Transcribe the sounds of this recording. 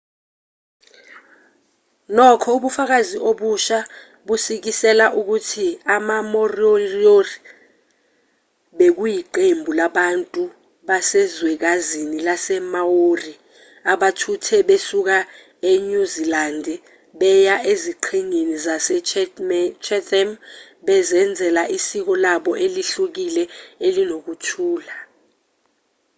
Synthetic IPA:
nɔkʰɔuɓufak̬aziʔoɓuʃa | ɓusik̬isɛlaʔuk̬utʰiamamorioiori | ɓek̬ujiǃembʱulaɓantʼu | ɓasɛzwɛk̬azinilasɛmawori | aɓatʰutʰɛɓesuk̬a | eɲuzilandʱɛ | ɓɛjaʔeziǃʰiŋenizasɛ | t͡ʃʰɛtʰʼɛm | ɓɛzɛnd͡zʱɛlaʔisik̬ɔlaɓɔʔeliɬuk̬ilɛelinok̬utʰuːla

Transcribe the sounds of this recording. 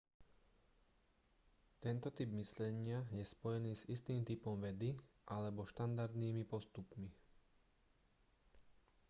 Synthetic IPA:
t̪ɛnt̪ɔt̪ibmislɛɲɪajɛspɔjɛniːzist̪iːmt̪ipɔmʋɛd̪i | ʔalɛbɔʃt̪and̪aɾd̪niːmipɔst̪upmi

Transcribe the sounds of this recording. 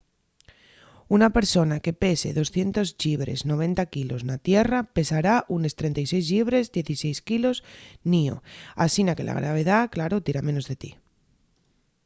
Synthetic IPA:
unape̞ɾso̞nake̞pe̞se̞̰ðo̞sθje̞nt̪o̞zʎiβ̞ɾe̞̰zno̞β̞e̞nt̪akilo̞znat̪je̞rape̞saɾaʔune̞st̪ɾe̞nt̪ajse̞jzʎiβ̞ɾe̞zðje̞θise̞jskilo̞znio̰asinake̞la̰ɣ̞ɾa̰β̞e̞ð̞aklaɾo̞t̪iɾamẽ̞no̞zðe̞t̪i

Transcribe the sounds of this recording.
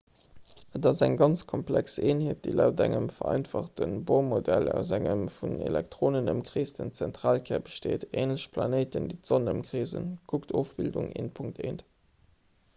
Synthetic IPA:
ətɑzæŋɡɑnt͡skʰɔmplækseːnɦeːt̚d̥eːlæʊtæŋəmfɐɑɪnfɑχtənboʊmodælæʊzæŋəmfunḛlɛk̚tʀoːnənəmkʀiːsdənt͡sæntʁaːlkʰɛːɐbəʃteːteːnləɕpʰlɑneɪtəndiːtz̥onəmkʁeːzə̰nkʰuktʰoːfb̥ilduŋḛːnpʰuŋk̚tʰeːnt

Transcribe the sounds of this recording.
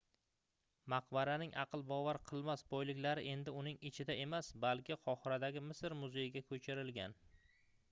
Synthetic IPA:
maqbaɾanɪŋʔɑqʰɨlˠbɒvaɾqʰɨlˠmasbɒjlɪkʲlaɾɪ̰ʔe̞nd̪ɪʊnɪŋɪt͡ʃʰɪd̪aʔe̞masbalˠkʲʰɪqʰɒχɪɾad̪aɡʲɪmɪsɾmʊzejɪɡʲakʰɵt͡ʃʰɪɾɪlɡʲan

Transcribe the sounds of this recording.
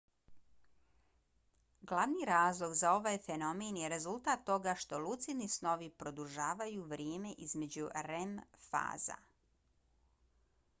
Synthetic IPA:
ɡlˠaʋnijɾaːzlˠo̞ɡzao̞ʋaːjfe̞no̞menjeɾe̞zulˠt̪at̪ːo̞ɡaʃt̪o̞lˠut̪sinisno̞ʋipɾo̞d̪uʒaːʋajuʋɾjeːme̞ʔizme̞d͡ʑuɾemfa̰ːza̰

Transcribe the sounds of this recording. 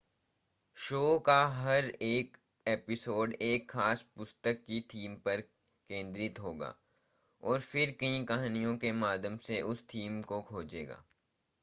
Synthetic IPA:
ʃoːkaɦɐɾeːk | eːpɪsoːɖeːkxaːspʊst̪əkːit̪ʰiːmpɐɾ | kẽːnd̪ɾɪt̪ɦoːɡa̰ː | ɔːɾfɪɾkɐɦĩkɐɦnijõkemaːd̪ʱjəmseʔʊst̪ʰiːmkokʰoːd͡ʒeːɡa̰ː

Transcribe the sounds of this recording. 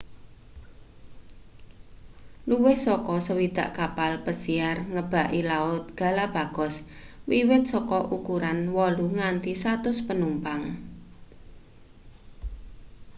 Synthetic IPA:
luwɪhsɔkɔsəwid̪̥a̤̰ʔkapalpəsiarŋəb̥a̤ʔilaʊt̪̚ɡ̥a̤lab̥a̤ɡ̥ɔ̤s | wiwɪt̪̚sɔkɔʔukuɾanwɔluŋant̪isat̪ʊspənumpaŋ

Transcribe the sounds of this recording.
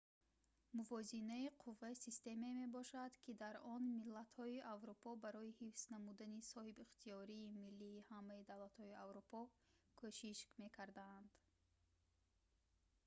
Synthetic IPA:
muvɔzinaiqʰuvːaisist̪e̞meme̞bɔʃad̪kʰid̪aɾɔnmilːat̪hɔiʔavɾupʰɔbaɾɔihifsnamud̪anisɔhibiχt̪ʰiɔɾiːmilːiːhamːaid̪avlat̪hɔiavɾupʰɔ | kʰoʃiʃkme̞kʰaɾd̪aːnd̪̥

